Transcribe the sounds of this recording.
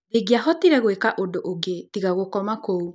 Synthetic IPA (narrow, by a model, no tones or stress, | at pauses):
deɡiaɦɔtiɾɛɣwekaʔondoʔoɡetiɣaɣokɔmakou